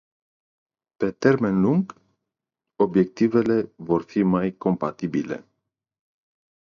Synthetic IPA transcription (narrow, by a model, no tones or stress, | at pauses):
pe̞t̪erme̞nluŋɡ | obje̞k̚t̪ive̞le̞vorfimajko̞mpat̪ibile̞̰